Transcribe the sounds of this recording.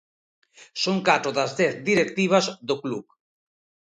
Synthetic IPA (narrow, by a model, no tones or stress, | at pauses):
soŋkat̪ɾoðazðɛθd̪iɾekt̪iβ̞azðokluk